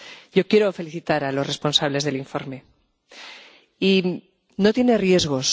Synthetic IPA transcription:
ɟ͡ʝo̞kje̞ɾo̞fe̞liθit̪aɾalo̞sre̞spo̞nsaβle̞zðe̞liɱfo̞ɾme̞ | i | no̞t̪je̞ne̞rje̞zɣo̞s

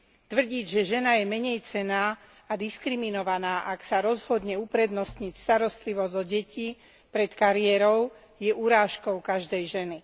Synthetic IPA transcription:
t̪ʋr̩ɟiːɟʒɛʒɛnajɛmɛɲɛjt͡sɛnaː | ad̪iskɾiminɔʋanaːʔaksaɾɔzɦɔd̪ɲɛupɾɛd̪nɔst̪ɲicst̪aɾɔst̪liʋɔzɔɟɛci | pɾɛt̪kaɾiɛɾɔʊ | jɛʔuɾaːʃkɔʊkaʒd̪ɛjʒɛni

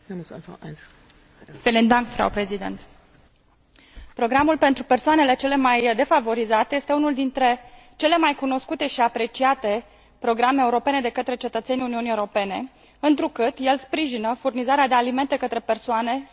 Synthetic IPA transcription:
felind̪aŋkfɾa̰wpɾe̞zid̪ḛnt̪ | pɾo̞ɡɾamulpe̞nt̪ɾupe̞rsoane̞le̞t͡ʃe̞le̞majd̪e̞favo̞ɾizat̪eje̞st̪eunuld̪int̪ɾe̞t͡ʃe̞le̞majkuno̞skut̪e̞ʃiapɾe̞t͡ʃiat̪e̞ | pɾo̞ɡɾameeːuɾo̞pe̞ne̞d̪e̞kət̪ɾe̞t͡ʃe̞t̪ət̪se̞niuniunie̞uɾope̞ne̞ | ɨnt̪ɾukɨt̪je̞lspɾiʒinəfurnizaɾead̪e̞alime̞nt̪e̞kət̪ɾe̞pe̞rsoane̞

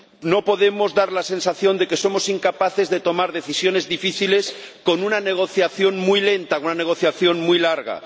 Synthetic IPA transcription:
no̞po̞ðe̞mo̞zðaɾlase̞nsaθjo̞nd̪e̞ke̞so̞mo̞siŋkapaθe̞zðet̪o̞maɾðe̞θisjone̞zðifiθile̞sko̞nunane̞ɣ̞o̞θjaθjo̞nmujle̞nt̪aunane̞ɣ̞o̞θjaθjo̞nmujlaɾɣa̰

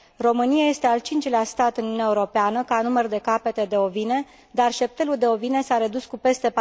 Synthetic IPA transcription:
ro̞mɨniaje̞st̪e̞alt͡ʃint͡ʃleast̪at̪ɨnununjaeuɾo̞peanəkanumərd̪e̞kape̞t̪e̞d̪e̞ovine̞ | d̪arʃe̞p̚t̪e̞luld̪e̞o̞vine̞saɾe̞d̪uskupe̞st̪e̞p

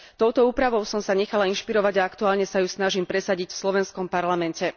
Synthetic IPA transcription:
t̪ɔʊt̪ɔuːpɾaʋɔʊsɔmsaɲɛxalainʃpiɾɔʋaɟaakt̪uaːlɲɛsajusnaʒimpɾɛsaɟicfslɔʋɛnskɔmpaɾlamɛncɛ

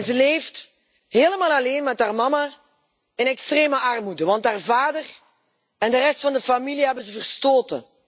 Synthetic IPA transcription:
nzəleːft | heːləmaːlˠɑleːnmɛtɦaːrmɑma | ɪnɛkstreːməʔɑrmudəʋɑntɦaːrvaːdər | ɛndərɛstfɑndəfamiliɦɛbənzəvərstoːtə̰

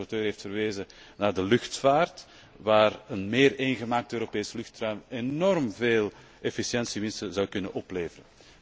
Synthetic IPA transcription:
ɔrtøːrɦeːftfərʋeːzə | naːrdəlʏxtfaːrt | ʋaːrənmeːreːnɣəmaːk̚tøːɾopeːsəlʏxtrœɥmenɔrmveːl | ɛfisjɛnsiʋɪnstəzɑwkʏnə̰nʔɔpleːvərə

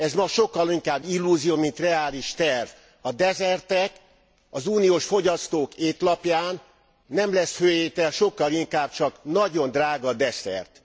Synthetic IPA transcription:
ɛzmɒʃo̞kːɒliŋkaːbːilːuːzijoːmint̪rɛaːliʃt̪ɛrv | ɒd̪ɛzɛrt̪ɛk | ɒzuːnijoːʃfo̞ɟɒst̪oːkeːt̪lɒpjaːnː | ɛmlɛshøːjeːt̪ɛlʃo̞kːɒliŋkaːb̥̚t͡ʃɒknɒɟo̞nd̪raːɡɒd̪ɛsɛ̰rt̪

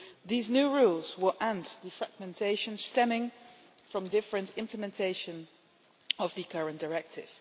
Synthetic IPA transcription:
ðiznuɹulˠzwɪlˠʔæ̃ntðɨfɹæɡ̚mɛ̃ntʰeɪʃə̃nstɛmɪ̃ŋ | fɹʌ̃mdɪfɹə̃ntɪ̃mpʰləmɛ̃ntʰeɪʃɨ̃n | ʌvðɨkʰʌɹɨ̃nd̥əɹɛk̚tɪ̰v̥

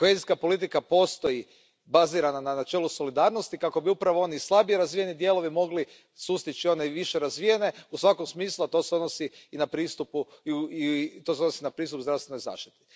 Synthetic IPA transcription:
koheziskapo̞lit̪̬ikapo̞st̪o̞ji | baziːɾanananat͡ʃe̞ːluso̞lid̪aːɾnost̪ikako̞biupɾaʋoo̞nislˠabieɾazʋije̞nid̪je̞lo̞ʋimo̞ɡli | sust̪it͡ʃio̞neʋiʃeɾazʋije̞ne̞usʋakomsmiːslˠat̪o̞seod̪nosiːnapɾiːst̪upuit̪oseodnosinapɾiːst̪upzd̪ɾast̪ʋeno̞jza̰ːʃt̪i̥t̪i̥

